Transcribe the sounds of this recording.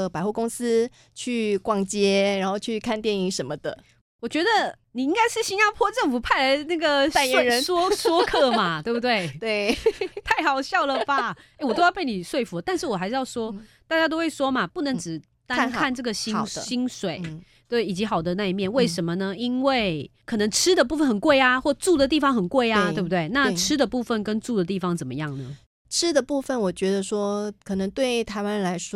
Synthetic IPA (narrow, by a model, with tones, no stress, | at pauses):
pa˨˩ɪxu˥˩ko˥ŋs̩˦ | t͡ɕʰy˥˧kwɑ˥˩ŋt͡ɕjɛ˥ɻa˧˦nxo˥˧ʊt͡ɕʰy˥˩kʰa˥˧nt̪jɛ˥˨˩ni˧˥ŋʂə˧˦nmə˧d̪ə˨ | wɔ˨˩t͡ɕɥɛ˧˥d̪ə˧ | ni˨˩i˥ŋɡa˥ɪʂɻ̩˥˩ɕi˥nja˥pʰwɔ˥˧ʈ͡ʂə˥˩ŋfu˨˩pʰa˥˩ɪa˧˥ɪna˥˩ɡə˩a˥˧ɻə˧˦nswɔ˥swɔ˥kʰɤ˥˩ma˩t̪we˥ɪbu˧t̪we˥˩ɪt̪we˥˩ɪt̪ʰa˥˩ɪxɑ˨˩ʊɕjɑ˥˩ʊlə˨ba˩e˥˩wɔ˨t̪o˥ʊjpe˥˩ɪni˨˩ʂwe˥˩ɪfu˧˦t̪a˥˧nʂɻ̩˥˩wɔ˨˩xa˧ɪʂɻ̩˥˧jɑ˥˩ʊʂwɔ˥t̪a˥˩t͡ɕja˥t̪̬o˥ʊxwe˥˩ɪʂwɔ˥mɐ˨˩pu˥˩nə˧˥ŋʈ͡ʂɻ̩˨˩ | t̪a˥nkʰa˥˧nʈ͡ʂɤ˥˩ɡə˩ɕi˥ɕi˥nʂwe˨˩˦ɪ | t̪we˥˩ɪi˨˩t͡ɕi˧˥xɑ˨˩ʊd̪ə˦na˥˧i˧˩mjɛ˥˧nwe˥˩ɪʂə˧˥nmə˧nə˧i˥nwe˥˩ɪkʰɤ˨˩nə˧˥ŋʈ͡ʂʰɻ̩˥d̪ə˨p̬u˥˩fə˨nxə˨˩nkwe˥˩ɪa˨xwɔ˥˩ʈ͡ʂu˥˩d̪ə˩t̪i˥˩fɑ˧˦ŋxə˨˩nkwe˥˩ɪa˨˩t̪wbu˩t̪we˥˩ɪna˥˧ʈ͡ʂʰɻ̩˥d̪ə˨pu˥˧fə˥˨nkə˦˥nʈ͡ʂu˥˩d̪ə˩t̪i˥˩fɑ˨˥ŋt͡sə˨˩mə̰˦jɑ˥˩ŋnə˩ | ʈ͡ʂʰɻ̩˥d̪ə˨pu˥˧fə˨nwɔ˨˩t͡ɕɥɛ˧˥d̪ə˧ʂwɔ˥kʰɤ˨˩nə˧˥ŋt̪we˥˩ɪt̪ʰa˧˥ɪwa˥ɻnla˧˥ɪʂwɔ˥